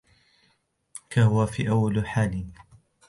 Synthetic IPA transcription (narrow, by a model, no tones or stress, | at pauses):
kahʊwafḭːʔawːalħaːlɪ